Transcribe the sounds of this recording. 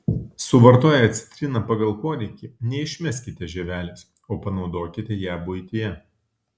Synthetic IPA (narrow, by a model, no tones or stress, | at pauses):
sʊʋɐɾt̪oːjɛɐt̪ʲsʲɪ̥t̪ʲɾʲinɐpɐɡɐlˠkoːɾʲɛɪkʲɪnʲɛɪʃʲmʲɛsʲkʲɪt̪ʲɛʒʲɛʋʲæːlʲɛːs | oːpɐnɒʊd̪oːkʲɪt̪ʲɛjæːbʊɪt̪ʲɪjɛ